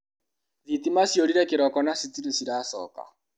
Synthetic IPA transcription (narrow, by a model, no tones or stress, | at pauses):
ðitimasjoɾiɾɛkeɾɔkɔnasit͡siɾesiɾasɔ̰ka̰